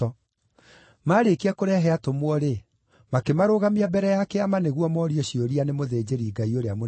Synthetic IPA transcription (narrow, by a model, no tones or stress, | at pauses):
ɔ | maɾekiakoɾɛɦɛatomwɔɾe | makemaɾoɣamiabɛɾɛjakɛamaneɣwɔmɔːɾiɔɕioɾianemoðeːd͡ʑeɾiːɡaioɾeamo